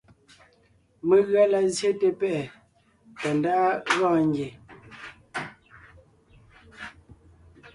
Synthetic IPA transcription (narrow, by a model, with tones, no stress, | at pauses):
me˨ɣa˦la˦zje˦te˦pɛ˦˨ | tɔ˨nda˦ɣɔː˦˨ŋ˦ɡje˨